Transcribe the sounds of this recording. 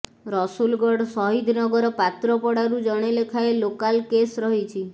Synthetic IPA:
ɾɔsulɡɔɽsɔɦid̪ʱnɔɡɔɾɔpat̪ɾɔpɔɽaɾud͡ʒɔɽ̃elekʰaelokalkesɾɔɦit͡ʃʰi

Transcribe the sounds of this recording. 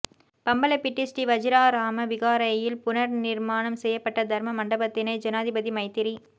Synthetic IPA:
pɐmbɐlɐpɪʈːɪsʈiʋɐd͡ʒɪɾaːɾaːmɐʋɪɣaːɾɐjɪlpʊnɐɾnɪɾmaːnɐmsɛjːɐpːɐʈːɐd̪ʱɐɾmɐmɐɳɖɐbɐt̪ːɪnɐɪd͡ʒɐnaːðɪbɐðimɐɪt̪ːɪɾi

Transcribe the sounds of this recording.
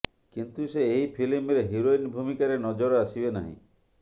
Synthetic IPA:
kint̪useːɦipʰilimɾeɦiɾoinbʱumikaɾenɔd͡ʒɔɾɔasibena̰ɦḭ̃

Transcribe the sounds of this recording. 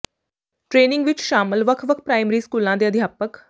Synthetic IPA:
ʈɾeːnɪ̃ŋɡʋɪt͡ʃʃaːməlʋəkʰʋəkʰpɾaːɪmɾiːskuːlãd̪eːəd̪ʱjaːpək

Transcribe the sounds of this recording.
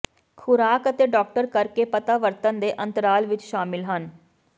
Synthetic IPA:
kʰʊɾaːkət̪eːɖɔːk̚ʈəɾkəɾkeːpət̪aːʋəɾt̪ənd̪eːʔənt̪əɾaːlʋɪt͡ʃʃaːmɪlɦən

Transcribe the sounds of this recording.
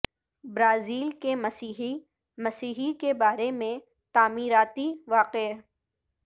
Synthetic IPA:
bɾaːziːlkemɐsiːɦi | mɐsiːɦikebaːɾemẽ | t̪aːmiːɾaːt̪iʋaːqe

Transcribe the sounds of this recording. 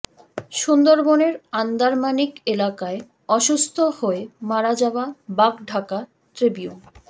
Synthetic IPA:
ʃund̪oɾboneɾand̪aɾmanikelakae | ɔʃust̪ʰohoemaɾad͡ʑaoabakɖʱaka | ʈɾibiu

